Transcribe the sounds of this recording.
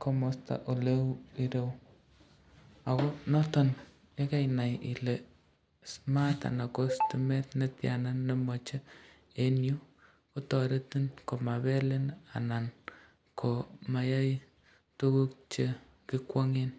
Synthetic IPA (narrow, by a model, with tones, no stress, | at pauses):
kʰo˦mo˦sta̰˨ʔo˨le˦wi˦ɾe˦w | a˨ko˦nɔ˦tɔ˨n | je˦ka˦jna˨jḭ˨le˨ | sma˦ta̰˨na˨ko˦stumɛ˦tne˦tja̰˨na˦nːe˦mɔ˨t͡ʃe˦ | e˦nju˦ | ko˦tɔ˨ɾe˦ti˦nko˨ma˨βɛ˦le˦na̰˨na˨n | kʰo˨ma˨ja˦j | tu˦ku˦k̚t͡ʃe˦ | ki˦kwɔ˦ŋe˦n